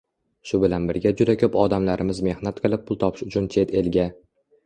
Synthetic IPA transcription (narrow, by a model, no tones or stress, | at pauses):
ʃʊbɪlanbɪɾɡʲad͡ʒʊd̪akʲʰɵpɒd̪amlaɾʔɪmɪzme̞hnat̪qʰɨlˠɪp̚ʰːʊlˠt̪ʰɒpʰɪ̥ʃʊt͡ʃʰʊnt͡ʃʰe̞t̪ʰe̞lɡʲa